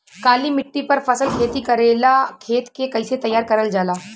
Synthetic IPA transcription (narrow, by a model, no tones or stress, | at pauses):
kaːlimɪʈːipɐɾfɐsəlkʰeːt̪ikɐɾeːlakʰeːt̪kekɐɪset̪ɐjːaːɾkɐɾəld͡ʒaːlaː